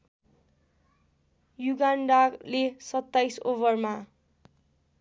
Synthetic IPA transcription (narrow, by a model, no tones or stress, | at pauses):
juɡanɖalesʌt̪ːajsoβʌrma